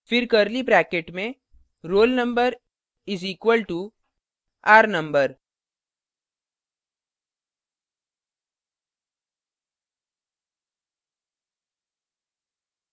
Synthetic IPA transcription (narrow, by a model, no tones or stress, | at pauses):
fɪɾkəɾlibɾɛːkeːʈmẽ | ɾoːlnə̃mbəɾ | ɪziːkʋəlʈu | aːɾnə̃mbəɾ